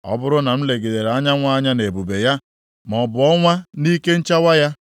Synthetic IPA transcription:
ɔ̰˦bʊ˦ɾʊ˦na˨m̩˦le˨ɡe˨de˨ɾa˦ɲa˦ŋʷa˦ɲa˦ne˨bu˨be˨ja˦ | m˨ɔ˨bʊ˨ɔ˦ŋʷa˦ni˦ke˦n̩˦t͡ʃa˦wa˦ja˦

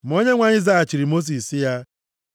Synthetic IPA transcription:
m̩˨˦o˦ɲe˦ŋʷa˨ɲɪ˦za˦a˨t͡ʃi˨ɾi˨mo˦s̬i˨ssi˦ja˦

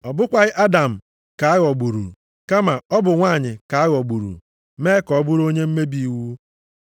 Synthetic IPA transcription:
ɔ˨bʊ˦kʷa˦ɣɪ˦ʔa˦da˨m̩˨ | ka˨a˦ɣɔ˨ɡ͡bu˨ɾṵ˨ | ka˦ma˨ɔ˦bʊ˨ŋʷaː˦˨ɲɪ˨ka˨a˦ɣɔ˨ɡ͡bu˨ɾṵ˨ | meː˦kɔ˨ɔ˦bʊ˦ɾo˦ɲe˦m̩˦me˦bi˦wu˦

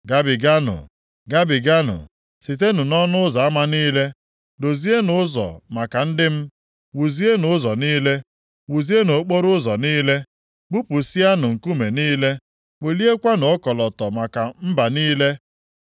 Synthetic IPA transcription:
ɡa˦bɪ˨ɡa˦nʊ̰˨ | ɡa˦bɪ˨ɡa˦nʊ̰˨ | si˨t̬e˦nʊ˨nɔ˦nʊ˦ʊ˦zɔ˨a˦ma˦niː˦le˦ | do˨zi˦e˦nʊ˨ʊ˦zɔ̰˨ma˨ka˨n̩˦dɪ˦m̩˦ | wu˨zi˦e˦nʊ˨˦zɔ˨niː˦le˦ | wu˨zi˦e˦no˨˦k͡po˦ɾʊ˦zɔ˨niː˦le˦ | ɡ͡bu˦pu˨si˦a˦nʊ˨ŋ̩˨ku˦me˨niː˦le˦ | k͡pe˨li˦e˦kʷa˦nʊ˨ɔ˦kɔ˨lɔ˨tɔ˨ma˨ka˨m̩˦ba˨niː˦le˦

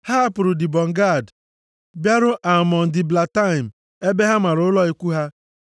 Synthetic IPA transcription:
ha˦a˦pʊ˨ɾʊ˨dɪ˨bɔ˨ŋ̩˨ɡa˦˨d | bja˦ɾʊ˦ʔa˨mɔ˨n̩˨dɪ˨bla˨ta˦ɪ˨m̩˨ | e˦be˦ɦa˦ma˨ɾʊ˦ʊ˦lɔ˦i˨kʷu˦ɦa˦

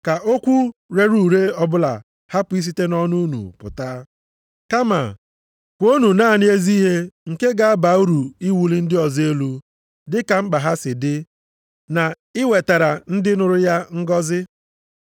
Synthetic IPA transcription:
ka˨ʔo˦kʷu˦ɾe˨ɾu˦˨ɾe˦ɔ˦bʊ˦la̰˨ | ha˦pʊ˨˦i˦s̬i˦te˦nɔ˦nu˦nṵ˨pʊ̰˨ta˦ | ka˦ma̰˨ | kʷo˦nu˨naː˦˨nɪ˦e˦zi˦ɦe˦ŋ̩˨ke˦ɡa˨a˦ba˨˦u˦ɾu˨i˦wu˨li˦n̩˦dɪ˦ɔ˨ze˦lu˦ | dɪ˦ka˨ŋ͡m̩˦ɡ͡ba˨ɦa˦sɪ˨dɪ˦ | na˨ | ɪ˦we˨ta˨ɾa˨n̩˦dɪ˦nʊ˨ɾʊ˦ja˦ŋ̩˦ɡɔ˦zɪ˦

